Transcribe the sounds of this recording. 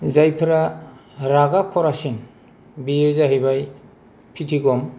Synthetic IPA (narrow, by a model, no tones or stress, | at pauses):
zajpʰɯɾaɾaɡakʰɔɾasin | biɯzaɦɯjbaj | pʰitʰiɡɔm